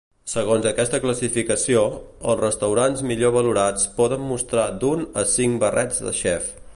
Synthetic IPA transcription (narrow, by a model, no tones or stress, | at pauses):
səɣ̞onzəkɛst̪əkləsifikəsioəlˠzrəst̪əwɾanzmiʎoβ̞əluɾat͡spɔðəmːust̪ɾad̪unəsiŋbərʔɛd͡zðə̰ʃɛf